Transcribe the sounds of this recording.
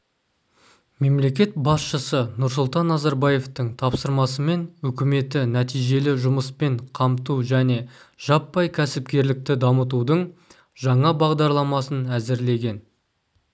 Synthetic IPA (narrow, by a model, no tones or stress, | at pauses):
me̞mle̞kʲe̞t̪̚bɑsʃəsənʊɾsʊlˠt̪ɑnːɑzɑɾbɑje̞ft̪əɴt̪ʰɑpsəɾmɑsəme̞nɵkʲɪme̞t̪ɪnæt̪ijʒe̞lɪʒʊməspe̞ɴqʰɑmt̪uʒæne̞ʒ̥ɑpːɑjkʲʰæsɪp̚kʲe̞ɾlɪk̚t̪ɪd̪ɑmət̪̬ud̪əɴ | ʒɑɴɑbɑʁd̪ɑɾlˠɑmɑsənæzɪɾle̞ɡʲe̞n